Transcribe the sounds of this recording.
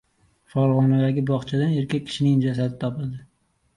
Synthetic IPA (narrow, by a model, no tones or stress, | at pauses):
fɒɾʁɒnad̪aɡʲɪbɒχt͡ʃʰad̪ane̞ɾkʲʰak̚ʲʰːɪ̥ʃɪnɪŋd͡ʒasad̪ɪt̪ʰɒpɪld̪ɪ